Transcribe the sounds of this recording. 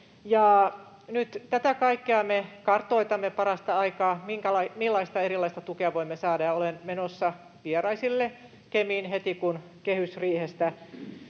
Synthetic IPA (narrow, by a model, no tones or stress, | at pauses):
jɑ | nyt̪t̪æt̪ækɑikːeɑmekɑrt̪oit̪ɑmːepɑrɑst̪ɑɑikɑːmiŋkælɑimilːɑist̪ɑeɾilːˑɑist̪ɑt̪ukeɑʋoimːesɑːdɑjɑolenmenosːɑ | ʋierɑisilːe | kemiːnhet̪ikun | kehysriːhest̪æ